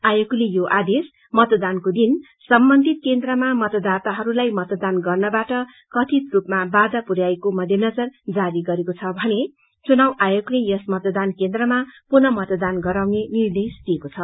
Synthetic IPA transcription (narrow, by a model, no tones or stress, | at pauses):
ajoklejoʔad̪es | mʌt̪d̪ankod̪in | sʌmbʌnd̪ʱit̪̚kend̪rʌmamʌt̪ʌd̪at̪aɦʌɾulajmʌt̪d̪anɡʌrnʌbaʈʌ | kʌt̪ʰit̪rupmabad̪apuɾjaekomʌd̪ʱjʌnʌd͡zʌrd͡zaɾiɡʌɾekot͡sʰʌbʱʌne | t͡sunawʔajoklejʌsmʌt̪d̪ankend̪rʌmapunʌmʌt̪ʌd̪anɡʌɾawnenird̪esd̪ijekot͡sʰʌ